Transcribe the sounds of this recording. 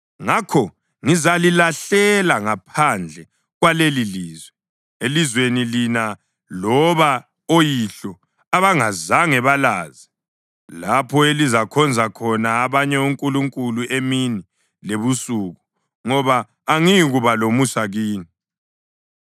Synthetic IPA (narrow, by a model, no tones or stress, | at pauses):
ŋakʰɔ | ŋizalilaɬɛlaŋapʰand͡ɮʱɛ | ɣwaleliliːzwɛ | elizwenilina | lɔβa | ojiɬɔ | aβaŋazaŋɛβalaːzi | lapʰɔelizakʰɔnd͡zʱakʰɔnaːβaɲɛuŋkʼuluŋkʼuluemini | leβusuːɣu | ŋɔβaː | ŋiɣuβalomusaɣiːni